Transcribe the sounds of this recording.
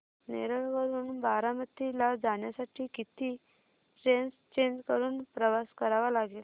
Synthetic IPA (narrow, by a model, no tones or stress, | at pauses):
nḛɾəɭʋəɾuːnbaɾamət̪ːilad͡zaɳjasaʈʰiːkit̪iː | ʈɾenst͡ɕeɲd͡ʑkəɾuːnpɾəʋaskəɾaʋalaɡeːl